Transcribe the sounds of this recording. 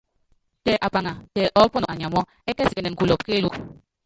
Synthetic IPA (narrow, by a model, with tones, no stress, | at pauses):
tɛ˨ʔa˨pa˨ŋa˨tɛ˨ʔɔ˦pɔ˦nɔ˨a˨ɲ˨a˨mɔ˦ | ɛ˦kɛ˦si˨ɛ˨nɛ˨ŋ̩ku˨lɔ˨pke˦lu˦